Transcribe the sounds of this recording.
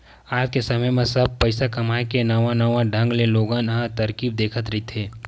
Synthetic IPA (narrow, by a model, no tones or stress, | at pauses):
aːd͡ʒkesɐməjmẽsɐb̚pəɪsakɐmaːekenɐʋãnɐʋãɖʱɐ̃ŋɡleloːɡãːnɦãt̪ɐɾkiːb̚d̪eːkʰət̪ɾɐɦit̪ʰeː